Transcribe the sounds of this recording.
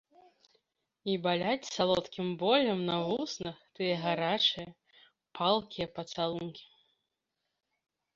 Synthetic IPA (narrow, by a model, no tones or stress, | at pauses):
ibalʲat͡sʲsalˠɔt̪kʲimbɔlʲɐmnɐvusnɐxt̪ɨjɐɣaɾat͡ʂɨjɐ | pʰalˠkʲijɐpɐt̪salˠunkʲi̥